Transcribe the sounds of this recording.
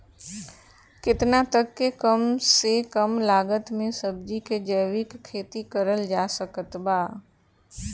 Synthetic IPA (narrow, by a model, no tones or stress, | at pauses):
kɪt̪nat̪əkːekəmsekəmlaːɡət̪mẽsəb̚d͡ʒiked͡ʒəjʋɪkkʰːeːt̪ikəɾəld͡ʒaːsəkət̪baː